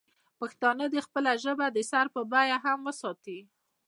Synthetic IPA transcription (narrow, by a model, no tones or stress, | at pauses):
paxt̪ɑnəd̪əxpəlaʒəbad̪əsaɾpəbɑjaɦamwəsɑt̪i